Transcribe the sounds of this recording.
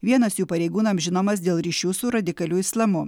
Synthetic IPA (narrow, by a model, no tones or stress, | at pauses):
ʋʲiɛnɐsjuːpɐɾʲɛɪɡuːnɐmʒʲɪnoːmɐs̬d̪ʲeːlˠɾʲiːʃʲuːsʊɾɐd̪ʲɪkɐlʲuːɪslˠɐmʊ